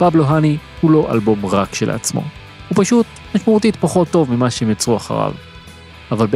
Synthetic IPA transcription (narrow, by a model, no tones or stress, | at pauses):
pabloɦanihulo̞ʔa̰lbo̞mʁakʃela̰t͡smo̞̰ | hupaʃut | maʃmeut̬it̪paχo̞t̪ːo̞vmimaʃeemjat͡sʁuaχa̰ʁa̰v | avalb